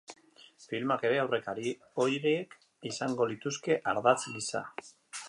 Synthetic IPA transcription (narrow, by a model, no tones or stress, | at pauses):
filmake̞ɾe̞awre̞kaɾi | o̞jɾeek | isaŋɡo̞lit̪uske̞ʔaɾðat͡slisa̰